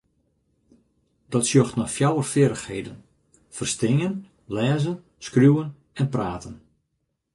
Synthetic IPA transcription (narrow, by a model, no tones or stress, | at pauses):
dɔtsjoxtnɔfjawərfɪːɾəxheːdən | fərstɪŋən | lɛːzən | skrjuwən | ɛnpraːtən